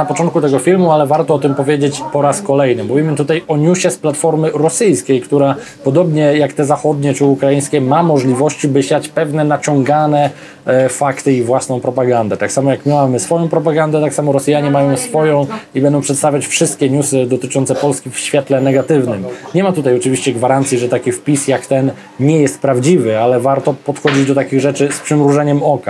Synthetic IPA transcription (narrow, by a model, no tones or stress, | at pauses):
napɔt͡ʂɔ̃nt̪̚kut̪ɛɡɔfʲilmualɛvaɾt̪ɔɔt̪ɘmpɔvʲjed͡ʑet͡ɕpɔɾaskɔlɛjnɘmuvʲimɘt̪ut̪ajɔɲuɕɛsplat̪fɔɾmɘɾɔsɘjskʲejkt̪uɾa | pɔd̪ɔbɲɛjakt̪ɛzaxɔd̪ɲɛt͡ʂɘukɾajij̃skʲɛmamɔʐlʲivɔɕt͡ɕibɘɕjat͡ɕpɛvnɛnat͡ɕɔ̃ŋɡanɛ | fakt̪ɘivwasnɔ̃w̃pɾɔpaɡand̪ɛt̪aksamɔjakmʲawamɘsfɔjɔ̃w̃pɾɔpaɡand̪ɛt̪aksamɔɾɔsjaɲɛmajɔ̃w̃sfɔjɔ̃w̃ibɛnd̪ɔ̃w̃pʂɛt̪st̪avʲjat͡ɕfʂɘst̪̚kʲɛɲusɘd̪ɔt̪ɘt͡ʂɔnt̪sɛpɔlskʲifɕfʲjɛt̪lɛnɛɡat̪ɘvnɘmɲɛmat̪ut̪ajɔt͡ʂɘvʲiɕt͡ɕɛɡvaɾant̪sʲjiʐɛt̪akʲifpʲisjakt̪ɛn | ɲɛjɛst̪̚pɾavd͡ʑivɘalɛvaɾt̪ɔpɔt̪xɔd͡ʑid͡ʑd̪ɔt̪akʲiɣʐɛt͡ʂɘspʂɘmɾuʐɛɲɛmɔka